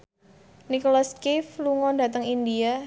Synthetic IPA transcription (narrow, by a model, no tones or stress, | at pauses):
nikolaskifluŋɔndat̪əŋindia